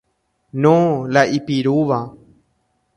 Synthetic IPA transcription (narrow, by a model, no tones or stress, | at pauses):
nõlaʔipiɾuːʋa